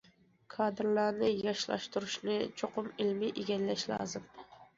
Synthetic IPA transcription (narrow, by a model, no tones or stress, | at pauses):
kʰɑd̪ɪɾlaɾnɪjɑʃlɑ̰ʃt̪ʰʊɾɪʃnɪt͡ʃʰoqʰʊmɪlmɪʔeɡʲanlːaʃlɒ̰zɪm